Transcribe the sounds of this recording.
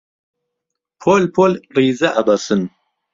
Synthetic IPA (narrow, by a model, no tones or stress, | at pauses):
pʰolpʰolriːzɐʔɐbɐsɨn